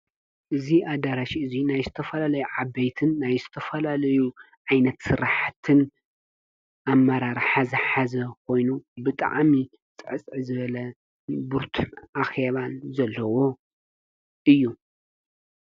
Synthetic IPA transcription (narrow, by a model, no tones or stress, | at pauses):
ʔɨziad̪aɾaʃiɨzinajzɨt̪ʰɐfɐlalɐjuʕabejt̪ʰɨnːajzɨt̪ʰɐfɐlalɐju | ʕajnɐt̪sɨɾaħt̪ʰɨn | ʔamːɐɾaɾħazɐħazɐkʰo̞jnubɨt̪ʼa̰ʕmi | t͡sʼɨʕɨt͡sʼʕɨzɨβɐlɐ | buɾt̪ʰʔaxeβanzɐlːɐwo̞ | ʔɨjːu